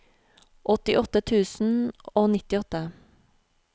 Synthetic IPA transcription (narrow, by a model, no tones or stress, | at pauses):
ʔɔt̪ɪʔɔt̪ət̪ʰʉːsn̩oːnɪt̪ɪɔt̪ə